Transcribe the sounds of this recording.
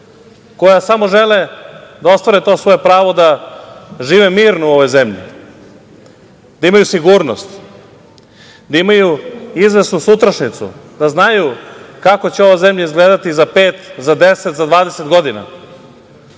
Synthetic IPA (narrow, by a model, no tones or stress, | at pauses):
ko̞jasamo̞ʒeled̪ao̞st̪ʋaɾet̪o̞ːsʋo̞jepɾaːʋo̞d̪a | ʒiːʋemiːɾnouo̞ʋo̞jzemʎḭ | d̪aimajusiɡuːɾnost̪ | d̪aimajuizʋe̞snusut̪ɾaʃnit̪sṵd̪aznajukako̞t͡ɕeo̞ʋoze̞mʎaizɡleːd̪at̪izapeːt̪zad̪eset̪zad̪ʋaːd̪e̞set̪ɡo̞d̪ina̰